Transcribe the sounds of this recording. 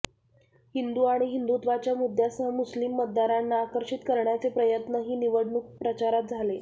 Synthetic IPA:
hind̪uːaɽ̃iɦind̪ut̪ʋat͡ɕjamud̪ʱːjasəɦəmuslimːət̪̚d̪aɾanːaːkəɾʂit̪kəɾɳjat͡sepɾəjət̪nəɦiːniʋəɽɳuːk̚pɾət͡ɕaɾat̪̚d͡zʱale

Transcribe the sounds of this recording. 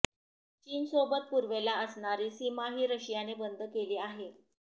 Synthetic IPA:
t͡ɕiːnsobət̪̚puɾʋelaəsɳaɾiːsimaɦiːɾəɕjanebənd̪ʱəkeliːaɦe

